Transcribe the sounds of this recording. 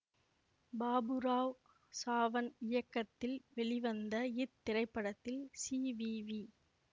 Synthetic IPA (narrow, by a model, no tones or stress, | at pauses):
baːbɯɾaːʋ | saːʋɐnɪjɐkːɐt̪ːɪlʋɛɭɪʋɐnd̪ɐɪt̪ːɪrɐɪpːɐɽɐt̪ːɪlsiːʋiʋi